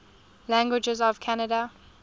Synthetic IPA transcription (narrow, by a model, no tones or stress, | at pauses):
læ̃ŋɡwɪd͡ʒɪzɔv̥kʰanədə